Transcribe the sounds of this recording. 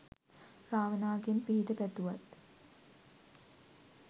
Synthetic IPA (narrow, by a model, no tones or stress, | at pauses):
ɾaːʋənaːɡenpiɦiʈəpæt̪uʋat̪